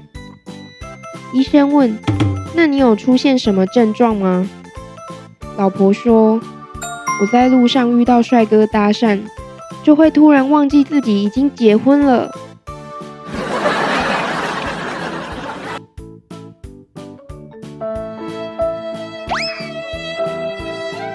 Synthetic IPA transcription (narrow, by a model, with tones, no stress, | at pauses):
i˥ʂə˥nwə˥˨nna˥˩ni˨˥˦jo˨˩ʊʈ͡ʂʰu˦˥ɕjɛ˥˩nʂə˨˧˥nmə˧ʈ͡ʂə˥˧nʈ͡ʂwɑ˥˨˩ŋma˨ | lɑ˨˩ʊpʰɔ˨˧˥ʂwɔ˥ | wɔ˨˩t͡sa˥˧ɪlu˥˧ʂɑ˥˧ŋy˥˧t̪ɑ˥˧ʊʂwa˥˩ɪkɤ˥t̪a˥ʂa˥˨n | t͡ɕjo˥˧ʊxwe˥˩ɪt̪ʰu˥ɻa˧˥nwɑ˥˧ŋt͡ɕi˥˧t͡sɹ̩˥˩t͡ɕi˨˥i˨˩t͡ɕi˦ŋt͡ɕjɛ˨˧˥xwə˦nlə˨